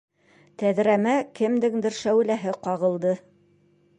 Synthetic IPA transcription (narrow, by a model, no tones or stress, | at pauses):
t̪æðɾæmækɘ̆md̪ɘŋd̪ɘɾʃæwlæɦɘqɑʁɤ̆lˠd̪ɤ